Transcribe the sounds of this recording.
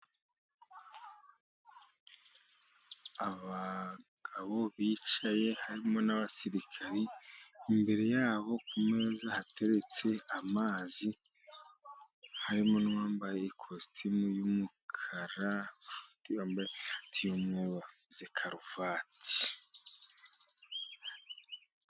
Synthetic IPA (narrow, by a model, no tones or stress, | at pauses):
aβaɡ̥aβo̞βiːt͡ʃaje̞haɾimo̞naβasiɾikʰaɾiː | mbe̞ɾe̞jaːβo̞kume̞zahatʰe̞ɾe̞t͡se̞amaːzi | haɾimo̞nuwaːmbajeikʰostʰimujumukʰaɾatwaːmbajetʰijomŋuwa | zekʰaɾuvaːtʰi̥